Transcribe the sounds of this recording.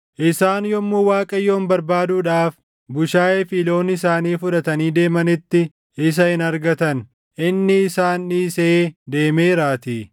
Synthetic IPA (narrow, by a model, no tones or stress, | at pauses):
ʔɪsaːnjɔmːuːwaːkʼɐjːo̞ːnbɐɾbaːd̪uːᶑaːf | bʊʃaːeːfiːlo̞ːnːɪs̬aːniːfʊᶑɐt̪ɐniːd̪e̞ːmɐnɪt̪ːɪ | ɪs̬ɐhɪnɐɾɡɐt̪ɐn | ʔɪnːɪːsaːnːiːseːd̪e̞ːme̞ːɾaːt̪i